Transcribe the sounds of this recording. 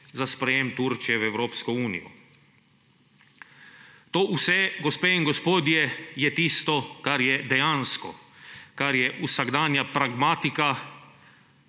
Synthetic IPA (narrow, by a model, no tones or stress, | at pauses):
zaspɾɛjemt̪uɾt͡ʃijɛwɛwɾoːpskɔuːnḭjɔ̰ | t̪oːʔusɛɡɔspeːinɡɔspoːd̪jɛjɛt̪iːst̪ɔkaɾjɛd̪ɛjaːnskɔ̰kaɾjɛʔusaɡd̪aːnjapɾaɡmaːt̪ika